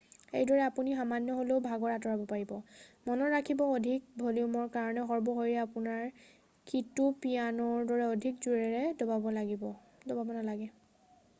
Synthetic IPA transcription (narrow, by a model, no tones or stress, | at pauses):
ḛjdɔɹɛapunixamanjɔɦoleʊbʱaɡɔɹatɔɹabɔpaɹibɔmɔnɔɹakʰibɔodʱik̚bʱoliumɔɹkaɹɔnɛɦɔɹbɔɦoɹiɛapunaɹ | kitupijanɔɹdɔɹɛodʱik̚zuɹɛɹɛdɔbabɔlaɡibɔ | dɔbabɔnalaɡɛ